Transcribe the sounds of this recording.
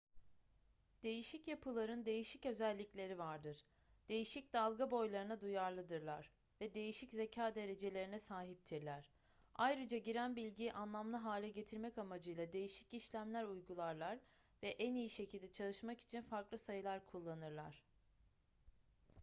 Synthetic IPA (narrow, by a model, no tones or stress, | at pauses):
d̪̥e̞jiʃicjapʰɯlˠaɾɯnd̪e̞jiʃicø̞zælʲːiclʲe̞ɾivaɾd̪ɯɾ̥ | d̪̥e̞jiʃic̚d̪alˠɡabo̞jlˠaɾɯnad̪ujaɾlˠɯd̪ɯɾlˠaɾ̥ | vɛd̪e̞jiʃicze̞cʰaːd̪e̞ɾe̞d͡ʒe̞lʲe̞ɾinɛsaːɦip̚t̪ʰiɾlʲæɾ̥ | ajɾɯd͡ʒaɟiɾænbilʲɟiʔanlˠamlˠɯɦaːlʲɛɟe̞t̪ʰiɾmɛcamad͡ʒɯjlˠad̪e̞jiʃi̥ciʃlʲæmlʲæɾujɡulˠaɾlˠaɾ | vɛʔænijiʃe̞cʰilʲd̪ɛt͡ʃʰalˠɯʃmaki̥t͡ʃʰinfaɾklˠɯsajɯlˠaɾkʰulˠːanɯɾlˠa̰ɾ̥